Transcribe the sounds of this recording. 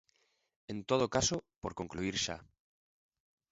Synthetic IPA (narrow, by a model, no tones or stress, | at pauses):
ẽnt̪oð̞okasopoɾkoŋkluiɾʃa̰